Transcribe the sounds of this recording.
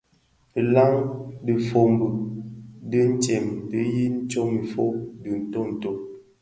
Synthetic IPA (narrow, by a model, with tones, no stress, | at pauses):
la˦ŋdə˨fo˨m˦bə˨ | də˦n̩˦t͡ʃɛ˨m˨də˦ji˦n̩˦t͡ʃo˦mi˨fo˦dɨ˨n̩˨to˦˨n̩˨to˦